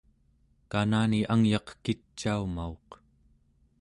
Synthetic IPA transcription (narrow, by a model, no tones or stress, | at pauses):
kanaːniʔaŋjɑqkit͡ʃːaumaoq